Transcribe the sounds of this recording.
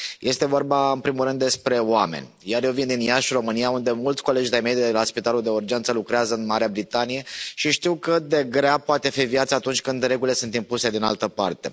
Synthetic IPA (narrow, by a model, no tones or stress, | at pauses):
jʔe̞st̪e̞vo̞rbaɨnpɾimulɾɨnd̪ːe̞spɾe̞oamḛnʲjarjewvind̪injaʃro̞mɨnijaund̪e̞mult̪sʲko̞le̞d͡ʒd̪ejmejd̪d̪elaspit̪alud̪e̞urd͡ʒe̞nt̪səlukɾeazəɨnmaɾeabɾit̪anije̞ʃiʃt̪iwkəd̪e̞ɡɾeapoat̪e̞fivjat̪sat̪unt͡ʃʲkɨnd̪ɾe̞ɡulile̞sunt̪impuse̞d̪inalt̪əpa̰rt̪e̞̰